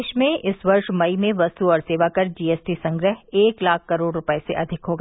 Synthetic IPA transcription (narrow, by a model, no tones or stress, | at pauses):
ʃmẽʔɪsʋɐɾʃmɐimẽʋɐst̪uɔːɾseːʋakɐɾd͡ʒiːɛːsʈisɐ̃ŋɡɾəɦeːklaːkʰkːɐɾoːɽɾʊpəesḛʔɐd̪ʱɪkɦoːɡa